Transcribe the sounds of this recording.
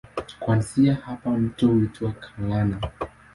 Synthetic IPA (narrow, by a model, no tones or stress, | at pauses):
kwansiahapam̩tɔhuituakʰalana